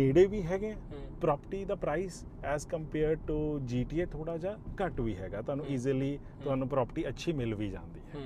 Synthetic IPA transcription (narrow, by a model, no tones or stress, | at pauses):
eːɽeːʋiːɦɛːɡẽːpɾɔːpəʈiːd̪aːpɾaːis | ɛːzkəmpeːɾɖ̚ʈud͡ʒiːʈiːeːt̪ʰoːɽaːd͡ʒaːkəʈʋiːɦɛ̰ːɡaːt̪ʊɦaːnũːiːzliː | t̪ʊaːnũːpɾɔːpəʈiːətːʃʰiːmɪlʋiːd͡ʒã̰ːnd̪ḭːɦɛː